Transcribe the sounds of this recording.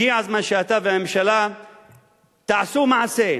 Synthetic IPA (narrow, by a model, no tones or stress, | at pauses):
iʕazmanʃeat̪aveamemʃala | t̪aʕasumaʕase